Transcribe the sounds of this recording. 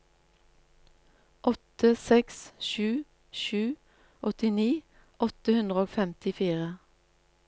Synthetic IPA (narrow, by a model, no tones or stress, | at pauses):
ʔɔt̪əsɛksʃʉː | ʃʉː | ʔɔt̪ɪniː | ʔɔt̪əhʉnd̪ʁəoːfɛmt̪ɪfiːʁə